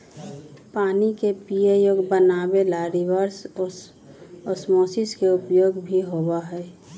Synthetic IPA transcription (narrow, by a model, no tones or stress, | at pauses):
paːnikepiejoːɡbənaːbelaɾiʋəɾs | ɔsmoːsɪskeʊpjoːɡbʱiɦobaɦɛː